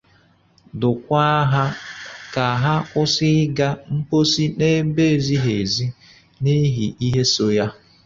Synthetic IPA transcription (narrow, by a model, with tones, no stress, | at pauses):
dʊ˨kʷa˦ɦa˦ka˨ɦa˦ʊ˦sɪ˦ɡa˦m̩˦po˦si˦ne˦be˦˨zi˦ɦe˨zi˦ | ni˦ɦi˨ʔi˦ɦe˦so˨ja˦